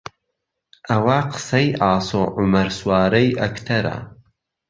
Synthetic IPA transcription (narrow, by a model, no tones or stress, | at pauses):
ʔɐwaːqʰə̥sɐjʔaːsoːʔʊmɐɾswaːɾɐjʔɐkt̪ʰɐɾa̰